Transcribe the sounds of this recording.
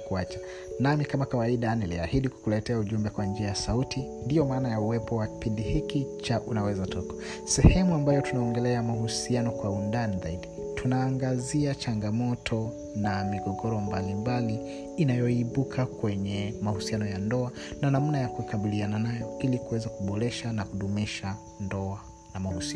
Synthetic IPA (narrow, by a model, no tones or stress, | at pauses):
kuat͡ʃḁ | namikamakawaiɗanɛliahiɗiku̥kulɛtɛauʄumbɛkwand͡ʒiajasautindijɔmaːnajauwɛpɔwaki̥pindihikit͡ʃaʔunawɛzatɔkḁ | sɛhɛmuambajɔtunaɔŋɡɛlɛamahusianɔkwaundanizaiɗi | tunaːŋɡaziat͡ʃaŋɡamɔtʰɔ | namiɡɔɡɔɾɔmbalimbaliː | najɔiɓukʰakwɛɲɛmahusianɔjandɔananam̩najakuikaɓiliananajɔilikuwɛzakuɓɔɾɛʃanahuɗumiʃa | ndɔa | namahusia